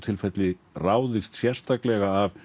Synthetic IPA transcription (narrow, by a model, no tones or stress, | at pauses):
t̪ʰɪlfɛt̪lɪraːwðɪst̪sjɛr̥st̪aklɛɣaːv